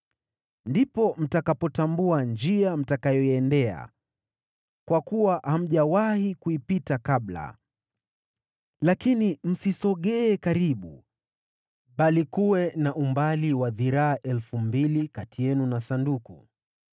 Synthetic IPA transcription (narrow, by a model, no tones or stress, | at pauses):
ndipɔm̩takapɔtambuand͡ʒiam̩takajɔiɛndɛa̰ | kwakuwaham̩ʄawahikuipitakaɓla̰ | lakinim̩sisɔɠɛːkaɾiɓṵ | ɓalikuwɛnaʔumbaliwaðiɾaːʔɛlfumbilikatijɛnunasanduku